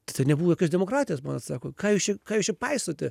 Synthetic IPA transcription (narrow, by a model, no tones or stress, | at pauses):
t̪ɐɪt̪ɐɪnʲɛbuːʋɐkɐsd̪ʲɛmoːkɾɑːt̪ʲɪjɛsmɑːnɐt̪sɑːkoːkɑːjɪʊʃʲɪkɑːjʊʃʲɪpɐɪsoːt̪ʲɛ